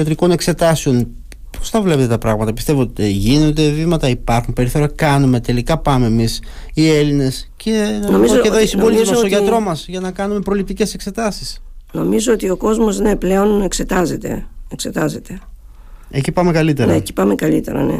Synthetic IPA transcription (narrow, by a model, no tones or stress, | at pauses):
ɐt̪ɾiko̞ne̞kse̞t̪ɐseo̞n | po̥sθɐvle̞pe̞t̪et̪ɐpɾɐɣmɐt̪ɐpist̪e̞vot̪eʝino̞nd̪e̞vimɐt̪ɐipɐɾxunpeɾiθo̞ɾɐkɐnume̞t̪e̞likɐpɐme̞ːmisie̞line̞sce̞noizoeðoisimvolizmɐst̪oʝɐt̪ɾo̞mɐsʝɐnɐkɐnume̞pɾo̞lip̚t̪ice̞se̞kse̞t̪ɐsi̥sno̞mizoot̪io̞ko̞zmosneple̞o̞nekse̞t̪ɐze̞t̪e̞̰ekse̞t̪ɐze̞t̪e̞ | ecipɐme̞kɐlit̪eɾneci̥pɐme̞kɐlit̪e̞̰ɾɐ̰nḛ